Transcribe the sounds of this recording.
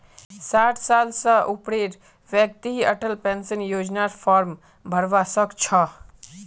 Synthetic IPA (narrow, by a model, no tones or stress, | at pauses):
saːʈʰsaːlsəʔʊpɽeːɾ | ʋjək̚t̪iɦiɐʈəlpensənjoːd͡ʒnaːɾfʰaːɾm | bʱəɾʋaːsəkt͡ʃʰɔ